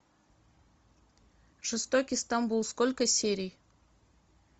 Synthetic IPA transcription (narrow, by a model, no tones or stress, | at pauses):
ʐ̥ɨst̪okʲist̪ɑmbulˠskolʲkəsʲeɾʲij